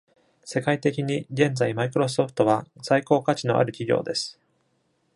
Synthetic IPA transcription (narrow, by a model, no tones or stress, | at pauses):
se̞kait̪e̞kʲiɲ̟iɡẽ̞nd͡zaimaikɯ̟ɾo̞s̬ɨo̞ɸɯ̟̥t̪o̞βasaiko̞ːkat͡ɕino̞̰ʔa̰ɾɯ̟kʲiɡʲo̞̰ːd̪e̞sɨ̥